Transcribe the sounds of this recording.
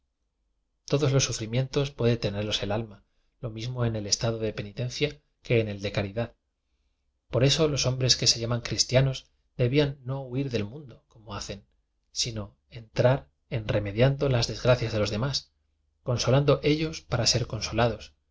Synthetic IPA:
t̪o̞ðo̞zlo̞sːufɾimjẽ̞nt̪o̞spwe̞ðet̪e̞ne̞ɾlo̞se̞lalma | lo̞mizmo̞e̞ne̞le̞st̪aðo̞ðe̞pe̞nit̪e̞nθja | ke̞ːne̞ld̪e̞kaɾiðað | po̞ɾe̞so̞lo̞so̞mbɾe̞ske̞se̞ʝamaŋkɾist̪jano̞z | d̪e̞βianːo̞uiɾðe̞lmũnd̪o̞ko̞mo̞aθe̞n | sino̞ | e̞nt̪ɾaɾ | e̞nre̞me̞ðjand̪o̞lazðe̞zɣɾaθjazðe̞lo̞zðe̞mas | ko̞nso̞land̪o̞ʔe̞ʎo̞spaɾase̞ɾko̞nso̞lað̞o̞s

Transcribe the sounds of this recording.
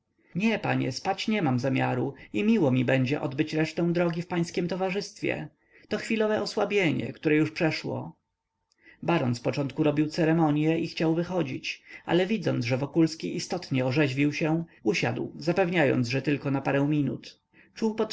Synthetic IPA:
ɲɛpa̰ɲɛ̰spat͡ɕɲɛmamzamʲjaɾuimʲiwɔmʲibɛɲd͡ʑɛ̰ʔɔ̰d̪bɘt͡ɕɾɛʂt̪ɛ̃w̃d̪ɾɔɡʲifpaj̃skʲimt̪ɔvaʐɘst̪fʲjɛ̰ | t̪ɔxfʲilɔvɛʔɔswabʲjeɲɛ̰kt̪uɾɛjuʂpʂɛʂwɔ̰ | baɾɔnspɔt͡ʂɔnt̪̚kuɾɔbʲiwt̪sɛɾɛmɔɲjɛixt͡ɕawvɘxɔd͡ʑit͡ɕa̰lɛvʲid̪zɔnʐɛvɔkulskʲiʔist̪ɔt̪ɲɛɔʐɛʑvʲiwɕɛuɕa̰d̪wzapɛvɲajɔ̰nd̪zʐɛt̪ɘlkɔnapaɾɛw̃mʲinṵt̪ | t͡ʂuwpɔt̪

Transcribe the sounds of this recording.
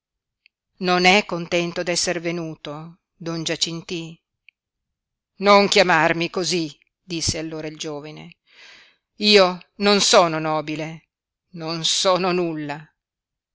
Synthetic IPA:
nonɛkːont̪ɛnt̪od̪ɛsːervenuːt̪o | d̪ond͡ʒat͡ʃint̪i | noŋkjamarmikozi | d̪̥isːealːoːɾaild͡ʒoːvine | iːononsoːnonɔːbile | nonsɔːnonulːa

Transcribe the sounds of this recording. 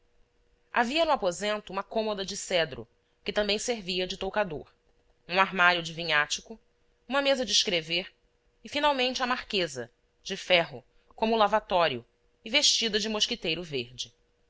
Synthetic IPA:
a̰viɐnʊapozẽnt̪ʊũmɐkõmod̪ɐd͡ʒɪsɛd̪ɾʊ̰ | kɪt̪ɐ̃mbẽj̃seɾviɐd͡ʒɪt̪owkad̪oɾ | ũaɾmaɾjʊd͡ʒɪvĩɲat͡ʃɪkʊ | ũmɐmezɐd͡ʒɪʃkɾeveɾ | ɪfinawmẽnt͡ʃɪɐmaɾkezɐ̰ | d͡ʒɪfɛɦʊ | kõmʊlavat̪ɔɾjʊ̰ | ɪveʃt͡ʃid̪ɐd͡ʒɪmoʃkɪt̪ejɾʊveɾd͡ʒɪ

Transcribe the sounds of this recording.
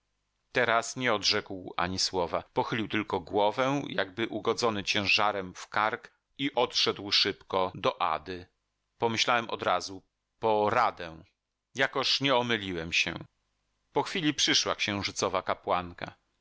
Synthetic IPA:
t̪ɛɾasɲɛɔd̪ʐɛkwa̰ɲiswɔvapɔxɘlʲiwt̪ɘlkɔɡwɔvɛ̃jaɡbɘʔuɡɔd̪zɔnɘt͡ɕɛ̃w̃ʐaɾɛmfkaɾk | iʔɔt̪ʂɛd̪wʂɘpkɔd̪ɔʔa̰d̪ɘ | pɔmɘɕlawɛmʔɔ̰d̪ɾazu | pɔɾad̪ɛ̃ | jakɔʂɲɛɔmɘlʲiwɛmɕɛ̰ | pɔxfʲilʲipʂɘʂwakɕɛ̃w̃ʐɘt̪sɔvakapwaŋka̰

